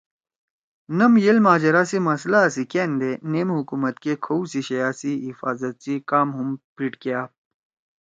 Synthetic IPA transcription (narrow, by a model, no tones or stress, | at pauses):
nɐmjelmaːd͡ʑɐɾasimɐslasikeːnd̪eneːmɦukumɐt̪kekʰɐusiɕɐjaːsiɦifaːzɐt̪̚t͡sikaːmɦumpiʈkjaː